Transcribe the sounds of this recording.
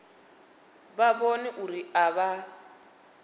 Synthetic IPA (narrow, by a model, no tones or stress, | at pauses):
βaβɔnɛʔuɾiaβa